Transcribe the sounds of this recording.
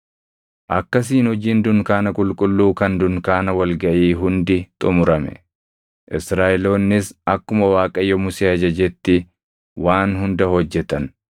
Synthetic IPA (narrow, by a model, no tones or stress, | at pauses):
ʔɐkːɐs̬iːnhɔd͡ʒiːnd̪ʊŋkaːnɐkʼʊlkʼʊlːuːkɐnd̪ʊnkaːnɐwɐlɡɐʔiːɦʊnd̪ɪt̪ʼʊmʊɾɐmɛ̰ | ʔɪsɾaːʔɛlo̞ːnːɪsɐkːʊmɐwaːkʼɐjːɔmʊseːɐd͡ʒɐd͡ʒɛt̪ːɪ | waːnɦʊnd̪ɐhɔd͡ʒːɛt̪ɐn